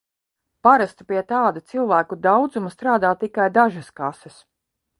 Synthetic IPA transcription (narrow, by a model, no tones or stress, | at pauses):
paɾast̪upiɛt̪aːd̪ut̪silˠvæːkud̪awd̪zumast̪ɾaːd̪aːt̪ikajd̪aʒɐskasɛs